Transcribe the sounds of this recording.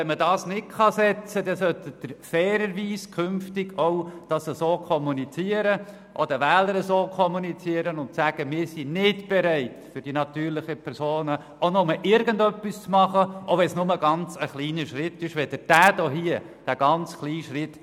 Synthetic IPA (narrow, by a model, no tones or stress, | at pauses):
ʋɛnmədɑːsnɪtkɑsɛt͡sədɛsœt̪əd̪̥əɾfɛːɾəɾʋiːskʰʏnftɪɡɔwd̥ɑsəsoːkʰɔmunit͡siəɾə | ʔɔ̰d̥̪əʋæːləɾəsoːkʰɔmunit͡siəɾənʊntsæɡ̥əmɪːɾsinɪtb̥ɛɾæɪtfʏɾd̥inɑt̪yːɾlɪχəpʰɛɾsoːnə | ʔonʊməʔɪɾɡəndœpːist͡smɑχəʔɔʋɛnsnʊməɡɑnt͡səχliːnəʃɾɪt̪ːɪʃʋɛd̥əd̥æːd̥oɦiə | d̥æɡ̥ɑnt͡sχliːʃɾɪtː